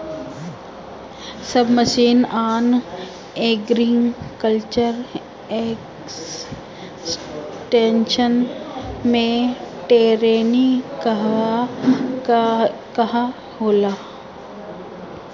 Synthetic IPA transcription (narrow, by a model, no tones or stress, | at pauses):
sɐbʱməʃiːnaːn | eːɡɾiŋkəlt͡ʃəɾ | ek | s | sʈeːnʃənmẽʈeːɾeːnik | kɐɦa | hoːlaː